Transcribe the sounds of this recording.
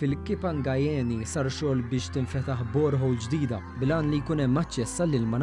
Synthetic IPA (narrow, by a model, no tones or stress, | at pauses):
fɪlkɪpɐŋɡɐjɛːnisɐɾʃɔːlbɪːʃt̪ɪɱfɛt̪ɐħbɔːɾħɔwld͡ʒd̪iːd̪ɐ | blɐːnlijkuːnɛmːɐt͡ʃːɛsːɐlːɪlmɐn